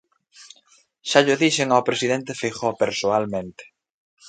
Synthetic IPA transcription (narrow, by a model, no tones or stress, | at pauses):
ʃaʎʊðiʃɪŋaopɾesiðent̪ɪfixopeɾsoalmẽnt̪ɪ̥